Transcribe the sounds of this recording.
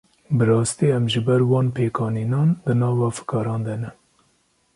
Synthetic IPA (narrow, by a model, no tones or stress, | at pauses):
bɨɾɑːst̪iːɛmʒɨbɛɾwɑːnpʰeːkʰɑːniːnɑːnd̪ɨnɑːvɑːfɨ̥kɑːɾɑːnd̪ɛnɛ